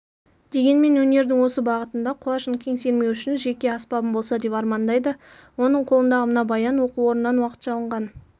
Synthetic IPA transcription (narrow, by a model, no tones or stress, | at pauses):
d̪̥e̞ɡʲe̞nme̞nwɵne̞ɾd̪ɪŋwo̞səbɑʁət̪ənd̪ɑqʰʊlˠɑʃənkʲʰe̞ŋse̞ɾme̞wʏʃɪnʒe̞kʲe̞ɑspɑbəmbo̞lˠsɑd̪e̞pɑɾmɑnd̪ɑjd̪ə | wo̞nəɴqʰolˠənd̪ɑʁəmənɑbɑjɑnwo̞quwo̞ɾənːɑnwɑqə̥t̪ʒɑlˠəɴʁɑn